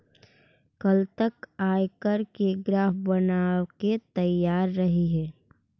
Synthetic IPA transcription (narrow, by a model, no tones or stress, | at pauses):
kɐlt̪əkaːjkəɾkeɡɾaːfbɐnaːket̪əjaːɾːɐɦiɦɛː